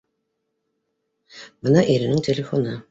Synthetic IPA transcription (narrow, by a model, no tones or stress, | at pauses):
mɤnɑʔeɾɪ̆nɪŋt̪ʲʰelʲefo̞nɤ